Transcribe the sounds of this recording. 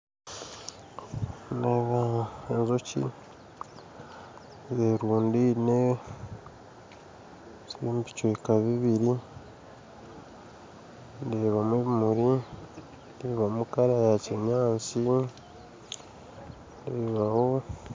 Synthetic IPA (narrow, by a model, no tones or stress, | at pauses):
neːβaenzocḭ | zeɾuːndine | simbicwekaβiβiɾi | ndeːβameβmuɾi | ndeβamukaɾajaciɲaːt͡si | ndeːβaho